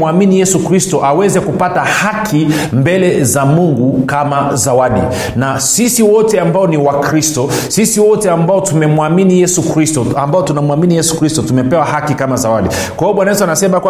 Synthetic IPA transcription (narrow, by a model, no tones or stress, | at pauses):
aminijɛsukɾistɔʔawɛzɛkupatahakʰi | mbɛlɛzamuŋɡukamazawaɗḭ | na | sisiwɔtɛambaɔniwakɾistɔ | sisiwɔtɛambaɔtumɛmwaminijɛsukɾistɔambaɔtunamwaminijɛsu̥kɾistɔtumɛpɛwaɦakikamazawaɗi | kwaɔɓwanajɛsuanasɛmakwa